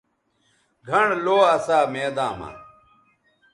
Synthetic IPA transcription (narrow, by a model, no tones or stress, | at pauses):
ɡʱɐɳloːɐsaːmeːd̪aːma̰ː